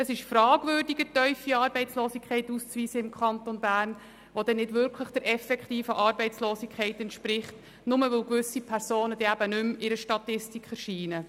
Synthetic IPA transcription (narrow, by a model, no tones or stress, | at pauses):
əsɪʃfrɑːɡ̥vʏːrdiɡətœʏfiɑːɾbɛɪt͡sloːsikʰχɛɪtust͡sʋiːsəɪmkχɑnt̪onbæːrn | ʋod̥ɛnːɪdvʏɾkʰləχd̥əɾʔɛfɛkχtiːfəʔɑːɾbɛɪt͡sloːsikʰχɛɪtɛnt̪ʃpɾɪχt | nʊməʋɪlɡʋʏsipʰɛɾsoːnəd̥iæb̥ənʉmɪɾəʃtɑtɪstikχəɾʃiːnə